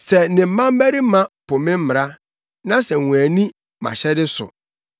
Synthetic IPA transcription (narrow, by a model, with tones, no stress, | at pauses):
sɛ˨nɪ̃˨m̩˨˦mã˦m˦bæ˦ɾi˦mã˦pʰʊ˨mɪ̃˦m̩˦mɪ˨ɾa˦ | nã˦sɛ˨wũ˨æ˨nĩ˦ | mã̰˨ɕɛ˦dɪ˦sʊ̰˨